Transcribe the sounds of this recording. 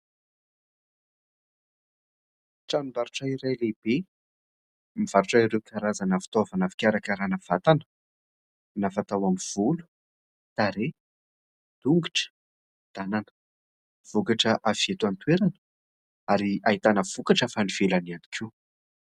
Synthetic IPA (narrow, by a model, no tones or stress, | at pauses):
ʈ͡ʂanimbaɾuʈ͡ʂairajleb̥e | miv̥aɾuʈ͡ʂaiɾewkʰaɾazanafi̥t̪ovanafi̥kʲaɾakaɾanəv̥at̪anə̥ | nafat̪awamiv̥ulu̥ | t̪aɾe | d̪̥uŋɡiʈ͡ʂə̥ | d̪̥ananə̥ | v̥ukaʈ͡ʂəʔafiet̪uant̪weɾanə̥ | aɾiaɦit̪anəv̥ukaʈ͡ʂafaniv̥elaniani̥kʰʲu